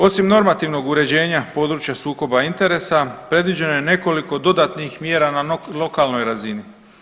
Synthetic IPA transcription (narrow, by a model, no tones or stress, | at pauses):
o̞simno̞ɾmat̪iʋno̞ɡuɾe̞d͡ʑe̞ːɲapo̞ːd̪ɾut͡ʃjasuːko̞baint̪e̞ɾe̞sapɾe̞d̪ʋid͡ʑe̞nojene̞ko̞liko̞d̪o̞d̪at̪nixmje̞ːɾanalo̞kalno̞jɾazini